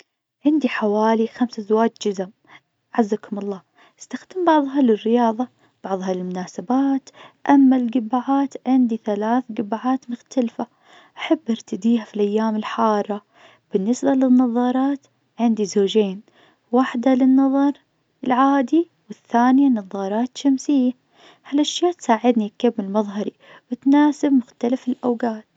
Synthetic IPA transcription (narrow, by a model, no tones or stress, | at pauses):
ʕɪnd̪iħawaːlixamsazwaːd͡ʒd͡ʒʊzɪm | ʕazːakʊmɑlˤːɑː | ʔɪst̪axd̪ɪmbɑʕðˤɦɑlɪrːɪjɑːðˤɑ | b̥ɑʕðˤɦɑlɪlmʊnaːsabaːt̪ʔamːalɡɪbaʕaːt̪ʕɪnd̪iθalaːθɡɪbaʕaːt̪mʊxt̪alfa | ʔaħabːʔɪɾt̪ad̪iːɦafilʔajːaːmɪlħɑːrˤːɑ | b̥ɪnːɪsbalɪnːɑðˤɑːɾˤɑːt̪ | ʕɪnd̪izoːd͡ʒeːn | waħd̪alɪnːɑðˤɑɾˤ | ɪlʕaːd̪i | wɪθːaːnjanɑðˤɑːɾˤɑːt̪ʃamsɪjːa | halʔaʃjaːt̪saːʕɪd̪nikːabːɪlmɑðˤɦɑɾi | wɪt̪naːsɪb̚mʊxt̪alafɪlʔawɡaːt̪